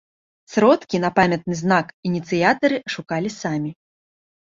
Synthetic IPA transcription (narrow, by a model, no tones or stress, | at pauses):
sɾɔt̪kʲinɐpamʲɐt̪̚nɨznakinʲit̪sɨjat̪ɐɾɨʂukalʲisamʲi